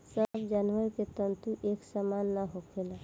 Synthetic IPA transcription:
səbd͡ʒanəɾket̪ənt̪uʔeksəmanːaɦokʰela

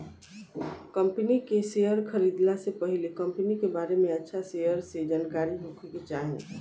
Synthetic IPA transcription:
kəmpnikesejəɾkʰəɾid̪lasepəɦilekəmpnikebaɾemeətːʃʰasejəɾsed͡ʒankaɾiɦokʰeket͡ʃaɦɛn

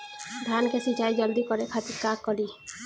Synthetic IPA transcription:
d̪ʱankesid͡ʒaːid͡ʒʌld̪ikɔɾekʰat̪ikːakːɔli

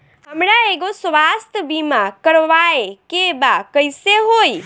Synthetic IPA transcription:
ɦəmɾaeɡosʋast̪ʰbimakəɾʋaekebakəjseɦoj

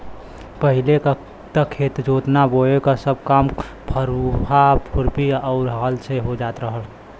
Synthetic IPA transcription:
pəɦilek | t̪əkʰːet̪d͡ʒot̪naboekasəb̚kam | pʰəɾɦapʰuɾbʱiɔʊɾɦəlt͡ʃʰeɦod͡ʒat̪ɾəɦəl

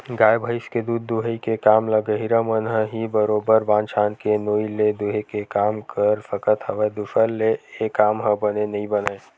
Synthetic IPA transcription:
ɡaːjbʱəɪsked̪uːd̪ːuɦəikekaːmləɡəɦiɾəmənɦəɦibəɾoːbəɾbãːnt͡ʃʰaːnkenoːiled̪uɦekekaːmkʰəɾfʰəkət̪ɦəʋed̪uʃəlːeːkaːmɦəbənenɐɦĩbənə

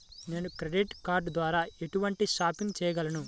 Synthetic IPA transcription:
ne̞ːnukɾeɖiʈkaːɾɖd̪ʋaːɾaːe̞ʈuʋɐɳʈiʃaːpiŋɡt͡ʃɛːjɐɡɐlɐnu

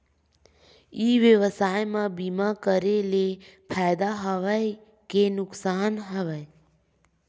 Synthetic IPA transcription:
iːʋjəʋəsaːjmãbimakəɾelepʰaːjd̪aɦəʋəj | kenʊksaːnɦəʋəe

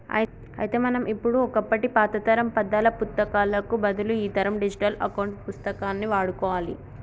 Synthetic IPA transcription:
ɐ̰j | ɐ̰jɐt̪eːmɐnɐmʔipːuɽuɔkɐpːɐʈipaːt̪ɐt̪ɐɾɐmpɐd̪ːaːlɐpust̪ːɐkaːlɐkubɐd̪uluiːt̪ɐɾɐmɖid͡ʒiʈɐlɐ̰kɐwuɳʈpust̪ɐkaːnːiʋaːɽukɔːʋaːlḭ

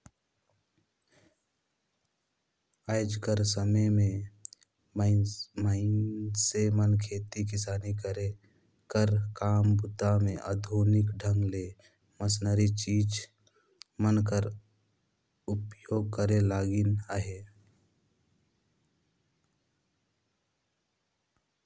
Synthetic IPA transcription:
aɪd͡ʒkəɾsəməjmẽ | məɪnsemənkʰeːt̪ikɪsaːnikəɾe | kəɾkaːmbʊt̪amẽʔə̰d̪ʱoːnɪkɖʱəŋɡle | məs̬nəɾit͡ʃiːd͡ʒ | mənkəɾ | ʊpjoːɡ̚kəɾelaːɡinaɦe

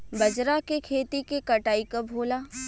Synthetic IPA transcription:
bɐd͡ʒɾakekʰeːt̪ikekɐʈaːikɐbʱoːlaː

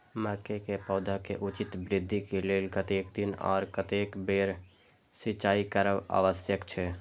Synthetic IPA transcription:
məkekepɔːd̪ʱakeʔut͡ʃit̪bɾɪd̪ʱːikeleːlkət̪ekd̪inɔ̰ːɾkət̪ekbeɾ | sɪt͡ʃaːikəɾəʋa̰ʋəsjəkt͡ʃʰɛ

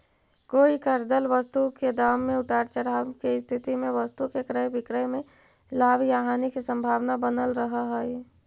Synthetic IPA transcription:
koːikəɾd̪əlʋəst̪uked̪aːmːẽʊt̪aːɾt͡ʃəɾakest̪ʰɪt̪imẽʋəst̪ukekɾəjbɪkɾəjmẽ | laːbʱjaːɦaːnikisə̃mbʱaːʋnabənəlɾəɦaɦɛi

